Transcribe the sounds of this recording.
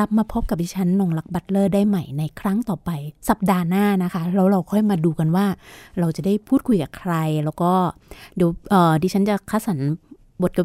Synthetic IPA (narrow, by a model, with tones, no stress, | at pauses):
ɾa˦˥p̚maː˧pʰo˦˥p̚ka˨˩diː˧t͡ɕʰa˦˥nːɔː˧ŋla˦˥k̚ba˦˥t̪̚lɤː˥˩daː˥˩jma˥˩jna˧jkʰɾa˦˥ŋt̪ɔː˨˩pa˧jsa˨˩p̚daː˧naː˥˩na˦˥kʰa˦˥ɾɛː˦˥wɾa˧wkʰɔ˥˩jmaː˧duː˧ka˧nwaː˥˩ɾa˧wt͡ɕa˨˩daː˥˩jpʰuː˥˩t̪̚kʰu˧jkaː˨˩kʰɾa˧jlɛ˦˥wkɔː˥˩ | di˨˩˦wʔɤː˨˩diː˧t͡ɕʰa˦˥nt͡ɕa˨˩kʰa˧˥˩sa˩˦n | bo˨˩t̪̚ka˧˩